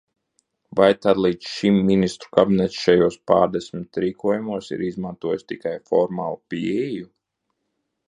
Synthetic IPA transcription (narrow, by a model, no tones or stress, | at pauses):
vajt̪ad̪lˠiːd̪sʃimːinist̪ɾu̥kabʲinɛt̪sʃajuɔspa̰ːɾd̪esʲmʲit̪ɾiːkuɔjumuɔsḭɾizmant̪uɔjust̪ikajfɔɾmaːlˠupiɛju